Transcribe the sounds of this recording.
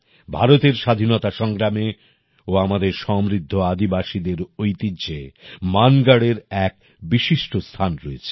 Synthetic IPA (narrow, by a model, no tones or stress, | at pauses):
bʱaɾot̪eɾʃad̪ʱinot̪aʃɔŋɡɾame | oamad̪eɾʃɔmɾid̪ʱːoad̪ibaʃid̪eɾojt̪id͡ʑemanɡaɽeɾɛk̚ | biʃiʃʈost̪ʰanɾɔet͡ɕʰe̥